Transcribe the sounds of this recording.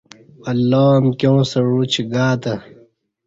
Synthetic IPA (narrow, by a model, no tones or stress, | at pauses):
ɐlːoːmkʲjõːsɐɻut͡ɕʰiɡaːt̪ɐ